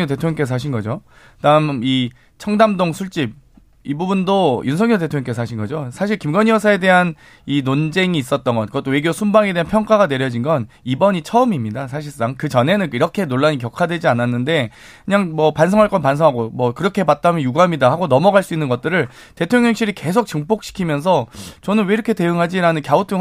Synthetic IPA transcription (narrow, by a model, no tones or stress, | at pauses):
ot̬e̞tʰoŋjŋkes̬ʰʌaɕ̬ʰinɡʌd͡ʑo | taɯmi | t͡ɕʰʌŋdamdoŋsʰuɭt͡ɕ͈ip̚ | ibubundojunsʰʌŋɲotetʰoŋɲʌŋk͈es̬ʰʌaɕʰinɡʌd͡ʑosʰaɕʰiɭkimɡʌɲjʌsʰae̞de̞ɦan | inond͡ʑe̞ŋiːs͈ʌt̚t͈ʌnɡʌnkɯʌt͈owe̞ɡjosʰumbaŋe̞de̞ɦanpʰjʌŋk͈aɡane̞ɾjʌd͡ʑinɡʌn | ibʌɲit͡ɕʰʌɯmimɲidas̬ʰaɕ̬ʰiɭs͈aŋkɯt͡ɕʌne̞nɯniɾʌkʰe̞noɭːaɲikjʌkʰadwe̞d͡ʑiananːɯnde̞ | kɯɲaŋmwʌpans̬ʰʌŋɦaɭk͈ʌnpans̬ʰʌɦaɡomwʌkɯɾʌkʰebat̚t͈amjʌnjuɡuɦamɲidahaɡonʌmʌɡaɭs͈uinːɯnɡʌt͈̚ɯɾɯɭ | te̞tʰoŋjʌŋɕʰiɾike̞s̬ʰok̚t͡ɕɯŋp͈ok̚ɕ͈i̥kʰimjʌns̬ʰʌt͡ɕʌnɯnwe̞iɾʌkʰe̞te̞ɯŋɦad͡ʑiɾanɯnkjaut͈ʰɯ